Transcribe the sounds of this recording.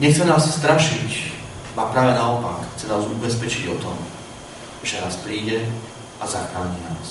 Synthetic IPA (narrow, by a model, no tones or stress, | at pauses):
ɲɛxt͡sɛnaːsst̪ɾaʃic | apɾaːʋɛnaɔpa̰kxt͡sɛnaːzubɛspɛt͡ʃiɟɔt̪ɔm | ʒ̥ɛnaːspɾiːɟɛ | azaxɾaːɲinaːs